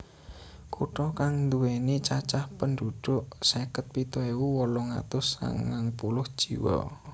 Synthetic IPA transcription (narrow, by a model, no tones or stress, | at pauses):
kuʈɔkaŋnd̪uwenit͡ʃat͡ʃahpənɖ̪uɖ̪̥ʊʔsekət̪̚pit̪ɔewuwɔlɔŋa̰t̪ʊsa̰ŋːaŋpulʊhd̥ʒ̥ḭwɔ̰